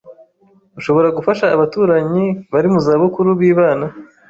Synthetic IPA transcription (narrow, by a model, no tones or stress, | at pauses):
uʃo̞βo̞ɾaɡufaʃaːβatuːɾaɲiβaɾimuzaːβukuɾuβiːβaːna